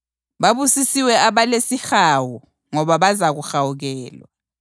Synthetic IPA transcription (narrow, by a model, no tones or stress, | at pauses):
ɓaβusisiwɛaβalesixawu | ŋɔβaβazaɣuxawuɣɛːlwa̰